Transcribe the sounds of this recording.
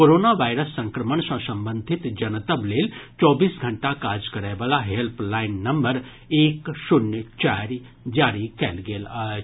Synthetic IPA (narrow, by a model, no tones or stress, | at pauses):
koɾoːnaʋaːɪɾəsːɐ̃ŋkɾəməɳsɐ̃sɐ̃mbə̃nd̪ʱɪt̪d͡ʒɐnət̪əbleːlt͡ʃɔːbiːsɡʱɐɳʈakaːd͡ʒkɐɾaːʋaːlaɦelplaːɪnːɐmbəɾ | eːkʃʊnjət͡ʃaːɾ | d͡ʒaːɾikɛ̰ːlɡeːlaː